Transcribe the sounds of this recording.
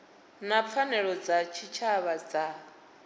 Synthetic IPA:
nap̪fʰanɛɺɔd͡zat͡ʃʰit͡ʃʰaβad͡za

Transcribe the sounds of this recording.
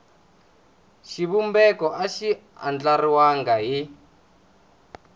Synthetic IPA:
ʃiβumbɛkɔʔaʃia̰nd͡ɮariwaŋɡaɦi

